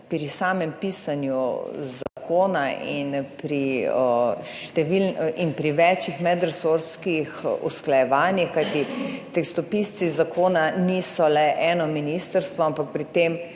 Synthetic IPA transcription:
pɾisaːmɛmpiːsanjuzakoːnaʔinpɾiəʃt̪ɛʋilninpɾiʋɛt͡ʃjixmɛd̪ɾɛsoɾskixṵsklajɛʋaːnjixkajt̪it̪ɛkst̪ɔpist̪sizakʰoːnanisɔlɛʔɛːnɔminist̪əɾst̪ʋɔampak̚pɾit̪em

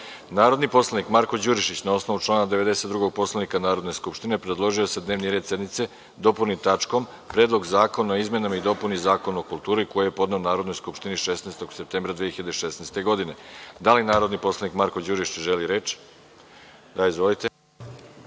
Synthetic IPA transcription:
naːɾo̞d̪nipo̞slˠanikmaɾkod͡ʑuɾiʃit͡ɕnao̞sno̞ʋut͡ʃlˠaːnad̪eʋe̞d̪e̞se̞t̪d̪ɾuɡo̞ɡ̚po̞slˠanikanaːɾo̞d̪ne̞skupʃt̪ine̞pɾed̪lˠo̞ʒio̞sed̪neʋniɾe̞ːd̪se̞d̪nit̪se̞ | d̪o̞puɾnit̪at͡ʃko̞m | pɾe̞ːd̪lˠo̞ɡzaːko̞noizme̞namaid̪o̞punizaːko̞nuokulˠt̪uːɾiko̞jejepo̞d̪neonaːɾo̞d̪nojskupʃt̪iniʃesneːst̪o̞ɡsep̚t̪embɾad̪ʋexiʎad̪eʃesnejst̪e̞ɡo̞d̪ine̞d̪alinaːɾo̞d̪nipo̞slˠanikmaɾko̞d͡ʑuɾiʃit͡ɕʒeliɾe̞ːt͡ʃ | d̪aizʋo̞lit̪e̞

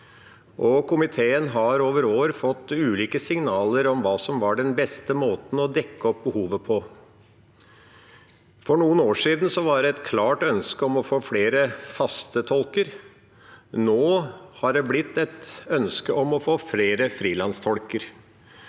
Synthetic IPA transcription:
ʔɔkʰʊmɪt̪ʰeːənɦɑɾoːʋəɾoːɾfɔt̪ːʉːliːkəsɪŋnɑːləɾɔmʋɑːsɔmʋɑɖɛnbɛst̪əmoːt̪n̩ɔd̪ɛkːəɔp̚bəhuːʋəpʰɔ | fɔɳuːənoːʂiːd̪n̩sɔʋɑɖɛɛt̪kʰlɑːʈœnskəɔmɔfoːfleːɾəfɑst̪ət̪ʰɔlkəɾ | noːhɑɖɛblɪt̪ːɛt̪œnskəʔɔmɔfoːfleːɾəfɾiːlɑnst̪ʰɔlkəɾ

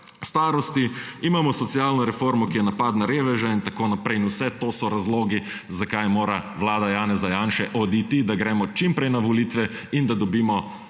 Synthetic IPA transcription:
st̪aːɾɔst̪iimaːmɔsɔt̪siaːlnɔɾɛfoːɾmɔkijɛnapaːd̪naɾeːʋɛʒaint̪akoːnapɾɛjinusɛt̪oːsɔɾazloːɡi | zakajmoːɾaʋlaːd̪ajaːnɛzajaːnʃɛʔɔd̪it̪id̪aɡɾɛːmɔt͡ʃimpɾɛjnaʋɔliːt̪ʋɛ | ind̪ad̪ɔbiːmɔ

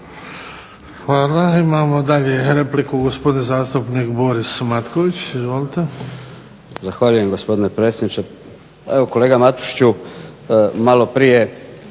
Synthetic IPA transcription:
xʋaːlaimaːmo̞d̪aʎeɾe̞plikuɡospo̞d̪inzaːst̪upniːkbo̞ɾismat̪koʋit͡ɕizʋoːlit̪e̞ | zaxʋaʎujemɡospo̞d̪inepɾet̪sjed̪nit͡ʃe | eʋokoleːɡamat̪u̥ʃt͡ɕu | malopɾije̞

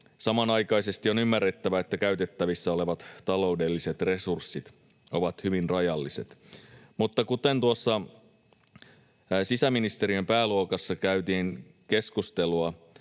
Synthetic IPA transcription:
sɑmɑnɑjkɑjse̞st̪io̞nymːærːet̪ːæʋæet̪ːækæyt̪e̞t̪ːæʋisːæo̞leʋɑt̪t̪ɑlo̞ude̞lːise̞t̪re̞sursːit̪ | o̞ʋɑt̪hyʋinrɑjɑlːiset̪mut̪ːɑkut̪ent̪uosːɑ | sisæminist̪e̞ɾiømpæːluokɑsːɑkæyt̪iːn | ke̞skust̪eluɑ

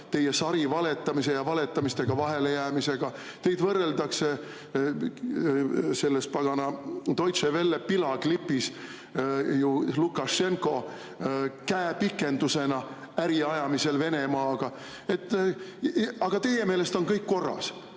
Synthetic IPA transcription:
t̪e̞jesɑɾivɑle̞t̪ˑːɑmise̞jɑvɑle̞t̪ːˑɑmist̪e̞ɡ̥ɑvɑɦe̞le̞jæːmise̞ɡ̥ɑ | t̪e̞jd̪vɤrːe̞ld̪ɑkse | se̞lːes̚pɑɡ̥ɑnɑt̪o̞jt̪se̞ve̞lːepilɑklipːˑis | julukːɑʃe̞ŋko̞ | kæːepikːˑe̞nd̪use̞nɑ | æɾiɑjɑmise̞lve̞ne̞mɑːɡ̥ɑ | e̞t̪ˑː | ɑɡ̥ɑt̪e̞je̞me̞ːle̞st̪o̞nkɤjkːo̞rːɑ̰s

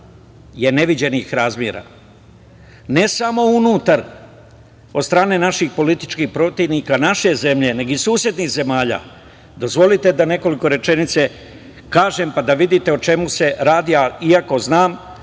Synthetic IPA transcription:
je̞ne̞ʋid͡ʑe̞nixɾaːzmjeɾa̰ | ne̞samo̞unuːt̪aɾ | od̪st̪ɾaːne̞ːnaʃixpo̞lit̪i̥t͡ʃkixpɾo̞t̪iʋnikanaʃe̞ze̞mʎe̞ne̞ɡoisuːsje̞d̪nixze̞maːʎa̰ː | d̪o̞zʋo̞lit̪e̞d̪ane̞ko̞liko̞ɾe̞t͡ʃe̞nit̪se̞ | kaːʒe̞mpad̪aʋid̪it̪e̞ot͡ʃe̞muse̞ɾaːd̪iaiako̞znaːm

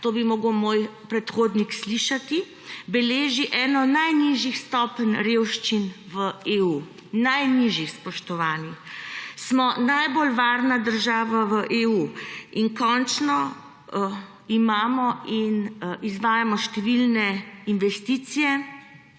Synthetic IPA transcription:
t̪oːbimɔːɡəwmoːjpɾɛt̪xoːd̪niksliʃat̪i | bɛleːʒiʔɛːnɔnajniʒixst̪ɔːpənɾeːwʃt͡ʃinʋəeːuː | najniʒixspɔʃt̪ɔʋaːnixsmɔnajbolʋaːɾnad̪əɾʒaːʋaʋəʔeuːinkɔnt͡ʃnɔ | imaːmɔinizʋaːjamɔʃt̪ɛʋilnɛinʋɛst̪iːt̪sijɛ

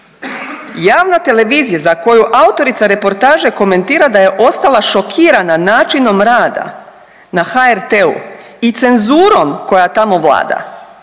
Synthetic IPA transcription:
jaːʋnat̪e̞le̞ʋiːzijazako̞juʔaut̪o̞ɾit̪saɾe̞po̞ɾt̪aːʒe̞ko̞me̞nt̪iːɾad̪aje̞ʔo̞st̪alˠaʃo̞kʰiːɾananaːt͡ʃino̞mɾaːd̪a̰ | naxaeɾt̪eṵ | it̪se̞nzuːɾo̞mko̞jat̪amo̞ʋlˠa̰ːd̪a̰

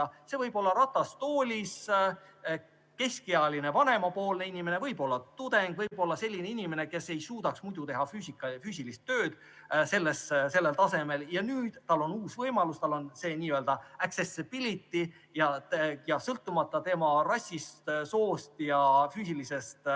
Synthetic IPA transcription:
ɑse̞vɤjbo̞lːɑɾɑt̪ːˑɑst̪oːlʲis | ke̞skiɑline̞vɑne̞mɑpo̞ːlne̞inime̞ne̞vɤjbo̞lːɑt̪ud̪̥e̞ŋɡ̥vɤjb̥o̞lːɑse̞lʲːine̞inime̞neke̞se̞jsuːd̪̥ɑksmud̪ut̪e̞ɦɑfyːsikːˑɑfyːs̬ʲilist̪ːø̞ːd̪̥ | se̞lːesse̞lːelt̪ɑse̞me̞ljɑnyːd̪̥t̪ɑlːo̞nuːsvɤjmɑlust̪ɑlːo̞nse̞ːniːøld̪ɑæksesib̥ilit̪ːˑi | jɑjɑsɤlt̪ːˑumɑt̪ːˑɑt̪e̞mɑrɑsʲːist̪so̞ːst̪jɑfyːsilise̞st̪

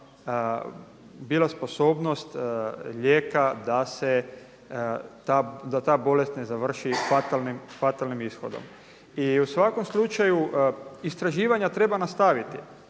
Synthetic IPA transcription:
biːlasposo̞ːbno̞st̪ʎeːkad̪ase | t̪aːd̪at̪aːbo̞le̞st̪ne̞zaʋr̩ʃifat̪alnimfat̪alnimisxo̞̰d̪o̰m | iusʋako̞mslut͡ʃajuist̪ɾaʒiːʋaɲat̪ɾe̞banast̪aʋit̪i

